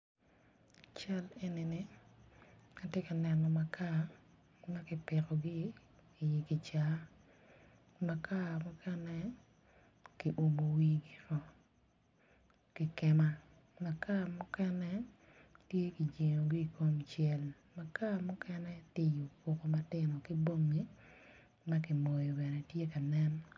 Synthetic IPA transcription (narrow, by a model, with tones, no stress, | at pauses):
t͡ʃa˦le˨˦nɪ˨nɪ˦ | a˦tje˦ka˨nɛ˨nɔ˨ma˨ka˦ | ma˦kɪ˨pɪ˨ɾɔ˨ɡɪ˦ | ɪ˨ji˨kɪ˨t͡ʃa˦ | ma˨ka˦mʊ˦kʰɛnɛ˦ | ki˨ʔo˨mo˨wi˦ɡi˦ɾɔ˨ | kɪ˨kɛ˦ma˦ | ma˨ka˦mʊ˦kɛ˦nɛ˦ | tje˦ki˨d͡ʒe˨ŋo˨ɡi˦i˨ko˦mt͡ʃjɛ˦l | ma˨ka˦mʊ˦kɛ˦nɛ˦tɪ˦jo˨ko˨ko˨ma˦tɪ˦nɔ˨kɪ˦bo˦ŋːi˦ | ma˦kɪ˨mo˨jo˨bɛ˨nɛ˨tje˦ka˨nɛ˦n